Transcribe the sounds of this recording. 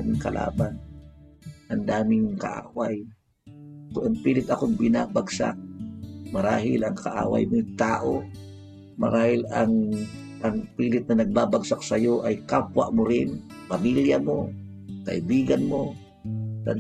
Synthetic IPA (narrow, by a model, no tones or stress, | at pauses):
mɪŋkɐlʔa̰ːban | ʔɐnd̪aːmɪŋka̰ʔa̰ːwaj | kʔɐŋpiːlɪt̪ɐkoŋbɪnabaɡsa̰k̚mɐɾaːɦɪlɐŋkaʔa̰ːwa̰jmojt̪aːʔo | mɐ̰ɾaːhɪlaŋ | aŋpiːlɪt̪̚nɐnɐɡ̚baːbaɡsak̚sɐjo̞ʔajkapwa̰ʔmoɾɪn | pɐmiljɐmo̰ | kɐʔɪbiːɡɐnmo | t̪ɐn